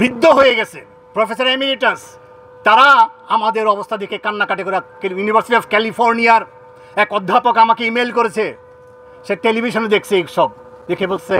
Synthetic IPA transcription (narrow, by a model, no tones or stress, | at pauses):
bɾid̪ʱːoɦojeɡɛt͡ɕʰḛ | pɾofes̬aɾemiliʈas | t̪aɾaamad̪eɾɔbost̪ʰad̪ekʰekanːakaʈekoɾakijunibʱaɾsiʈiɔbkɛlifʰoɾnijaɾ | ɛkɔd̪ʱːapokamakeimelkoɾet͡ɕʰe | ʃeʈelibʱiʃoned̪ekʰt͡ɕʰeiʃɔb̚ | d̪ekʰebolsʰe